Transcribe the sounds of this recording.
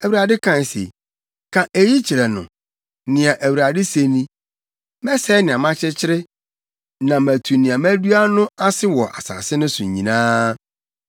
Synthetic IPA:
æ˨wu˨ɾa˨dɪ˦kʰã˦n˨sḛ˨ | kʰã˨ʔe˨ji˦t͡ɕʰi˨ɾɛ˨nʊ̰̃˨ | nɪ̃˨ã˨ʔæ˨wu˨ɾa˨dɪ˦se˨nĩ˦ | mɛ˦sɛ˦nɪ̃˨ã˨mã˦t͡ɕʰɪ˦t͡ɕʰɪ˦ɾɪ˦ | nã˨mæ̃˨tʰu˨nɪ̃˨ã˨mæ̃˦du˦a˦nʊ̃˦a˦sɪ˦wɔ˨ʔa̰˨sa̰ː˨sɪ˦nʊ̃˦sʊ̰̃˨ɲ˨ɲĩ˨nãː˦

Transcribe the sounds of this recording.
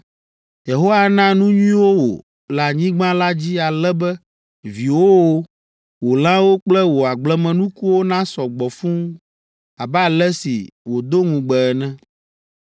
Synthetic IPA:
je˨ɦo˦wa˦˨nã˦nũ˦ɲũ˦ĩ˦wo˦wo̰˨ | lɛ˨a˨ɲĩ˦ɡ͡bã˦la˦d͡ʑi˦a˨lɛ˦bɛ˦ | vi˨wo˦wo˦ | wo˨lã˦wo˦k͡plɛ˦wo˨a˨ɡ͡blɛ˦mɛ̃˨nũ˦ku˦wo˦nã˦sɔ˨ɡ͡bɔ˨fũ˦ | a˨bɛ˦a˨lɛ˦sḭ˨wo˨d̪o˦ŋũ˨ɡ͡bɛ˨ɛ˨nɛ̃˦

